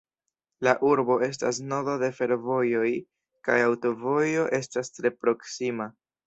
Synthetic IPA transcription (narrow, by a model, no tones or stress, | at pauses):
laʔuɾbo̞e̞s̬tasno̞dode̞fe̞ɾvo̞jo̞j | kajawto̞vo̞jo̞ʔe̞stastɾe̞pɾo̞ksima